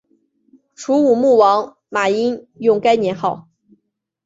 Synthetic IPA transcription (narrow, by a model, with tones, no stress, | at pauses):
ʈ͡ʂʰu˧˥u˨˩mu˥˩wɑ˧˥ŋ | ma˨˩i˥njʊ˥˩ŋka˥ɪnjɛ˧˥nxɑ˥˩ʊ